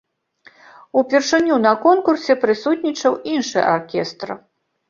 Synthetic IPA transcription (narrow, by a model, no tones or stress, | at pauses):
upʲɛrʂɨnʲunɐkɔnkursʲɛpɾɨsut̪ʲnʲit͡ʂɐwinʂɨja̰rkʲɛst̪ɾ